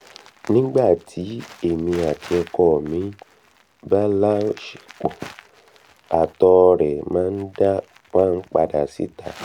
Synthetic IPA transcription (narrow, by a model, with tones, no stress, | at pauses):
nĩ˦ɡ͡ba˦˨tʰi˨˦e˦˨mĩ˧a˨tʰi˧ɛ˧kɔ˦˨mĩ˨˦ | ba˦la˦ʃi̥˨k͡pɔ˨ | a˨tɔ˧ɾɛ˨mãː˨˦n̩˦da˦ | wã˦˨˧k͡pa˧da˨si˨˦ta˨